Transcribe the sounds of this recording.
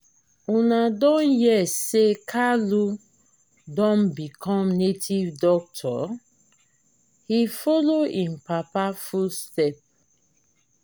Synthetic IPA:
ũnadɔ̃njɛsekʰalu | dɔ̃nbikʰɔ̃mnetʰivdɔk̚tʰɔ̰ | hifɔloĩnpapafustɛp̚

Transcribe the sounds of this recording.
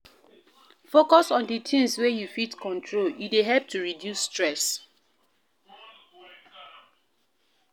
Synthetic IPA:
fokɔsɔ̃nditʰĩŋswejufitkɔ̃ntʰɹoljudeɦɛlp̚tʰuɹidjusːtɹɛs

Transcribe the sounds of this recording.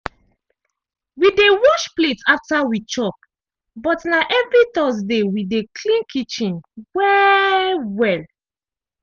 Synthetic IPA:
widewɔʃpletaftawit͡ʃɔp̚ | bɔtnaʔɛvɹit̪ɔs̬dewidekʰlĩnkʰit͡ʃĩnwɛ | wɛl

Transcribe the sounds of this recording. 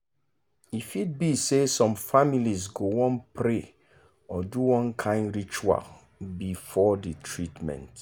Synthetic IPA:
ifit̚bisesɔ̃mfamilizɡowɔ̃npɹe | ɔduwɔ̃nkʰãɪ̃ndɹit͡ʃua̰l | bifɔditʰɹitmɛ̰̃nt

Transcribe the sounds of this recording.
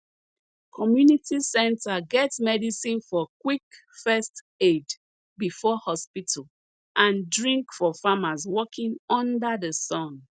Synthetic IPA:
kʰɔmjunitʰisɛ̃ntʰaɡɛtsmɛdisĩnfɔkwik | fɛst | ed | bifɔhɔspitʰəl | ʔãndɹĩŋkfɔfamazwɔkʰĩŋɔ̃ndəðəsɔ̃n

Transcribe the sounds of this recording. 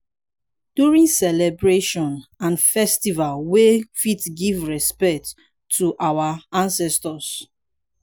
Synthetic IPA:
d̥juɹĩŋsɛlɛbɹeʃɔ̃nãnfɛstivalwefitɡivɹɛspɛk̚tʰː | uʔawaãnsɛstɔs

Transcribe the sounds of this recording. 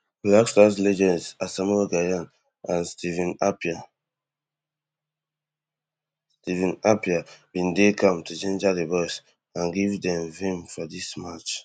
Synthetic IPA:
blakstaslɛd͡ʒɛzasamɛlɡajãn | ãnstʰivĩnapa | stivĩnapiab̥ĩndekʰɔ̃mtʰud͡ʒẽnd͡ʒadebɔs | ãnɡivdɛ̃mvĩmfɔdismat͡ʃ

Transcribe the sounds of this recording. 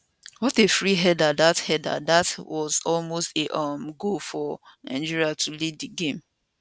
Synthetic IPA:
wɔtefɹiɦɛdadathɛda̰datwɔzɔlmosteʔʌmɡofɔnã̰ɪ̃nd͡ʒiɹiatʰuliddəɡẽm

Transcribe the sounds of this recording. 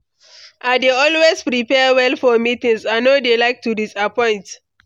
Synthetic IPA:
ʔadeɔlwespɹipɛwɛlfɔmitĩŋsanodelaɪk̚tudisapɔ̃ɪ̃nt

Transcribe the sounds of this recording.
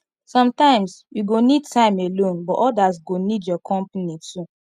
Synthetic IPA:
sɔ̃mtãɪ̃msjuɡonid̚tʰãɪ̃melõnbɔʔɔdasɡonidjɔkʰɔ̃mpnitu

